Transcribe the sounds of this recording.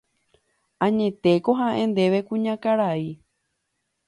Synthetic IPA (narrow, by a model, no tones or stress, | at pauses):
ãɲẽ̞t̪e̞ko̞ɦãʔẽnd̪e̞ʋe̞kũɲãkaɾai